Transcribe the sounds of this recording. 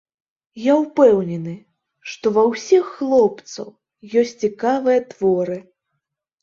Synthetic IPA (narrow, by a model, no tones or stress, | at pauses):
jawpɛwnʲɛnɨ | ʂt̪ɔvɐwsʲixːlˠɔp̚t̪sɐ̰w | jɔsʲtʲt͡sʲikavɨjɐt̪vɔɾɨ